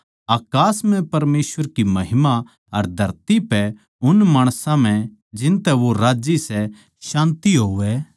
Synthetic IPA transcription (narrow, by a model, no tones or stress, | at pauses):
aːkaːsmɛ̃pɐɾmeːsʋəɾkimɐɦɪma | ɐɾd̪ʱɐɾt̪ipɛ | ʊnmaːɽ̃sãm̤ɛ̃ | d͡ʒɪnt̪ɛʋoɾaːd͡ʒisɛ | ʃãːnt̪iɦoːʋɛ